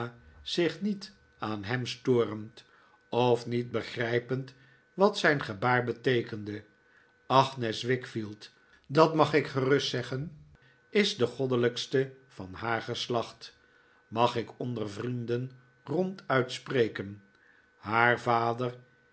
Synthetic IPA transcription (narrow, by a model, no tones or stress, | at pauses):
z̥ɪχnit | aːnɦɛmstʊːrəmt | ɔfnit̚bəχrɛjpənt | ʋɑtsɛjnχəbaːɹbətejkəndə | ɑχnɛsʋɪkfilˠt | dɑtmɑχɪkχərɵstsɛχən | ɪzdəχɔdələkstə | v̥ɑnɦaːɹχəslɑχt | mɑχɪkɔndərvrindən | rɔntœɥtsprejkən | haːɹvaːdər